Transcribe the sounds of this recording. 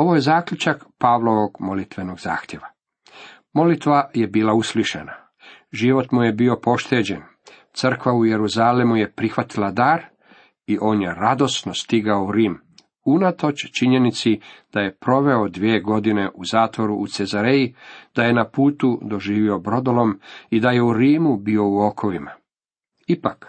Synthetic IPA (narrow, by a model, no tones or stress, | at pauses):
o̞ʋojezaːkʎut͡ʃakpaːʋlˠo̞ʋo̞ɡmo̞lit̪ʋe̞no̞ɡza̰ːxt̪je̞ʋa | mo̞lit̪ʋaje̞biːlˠausliʃḛna | ʒiʋo̞t̪muje̞biopo̞ʃt̪e̞ːd͡ʑe̞n | t̪sr̩kʋauje̞ɾuzaːlemuje̞pɾixʋat̪ilad̪aɾ | iʔo̞ːnje̞ɾad̪o̞snost̪iɡaouɾiːm | unat̪o̞t͡ɕt͡ʃiɲe̞nit̪sid̪̥aje̞pɾo̞ʋe̞o̞d̪ʋieːɡo̞d̪ine̞ʔuzaːt̪ʋo̞ɾuʔːt̪se̞zaɾejid̪aje̞napuːt̪ud̪o̞ʒiːʋio̞bɾo̞d̪olo̞mid̪aje̞uɾiːmubio̞uo̞kʰo̞ʋima | ipak